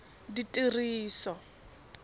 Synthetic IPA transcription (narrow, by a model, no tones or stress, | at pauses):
ditʼiriːsɔ